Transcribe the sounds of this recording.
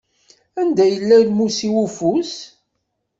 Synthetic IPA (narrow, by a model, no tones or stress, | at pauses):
ænd̪æjəlːælmusiwufus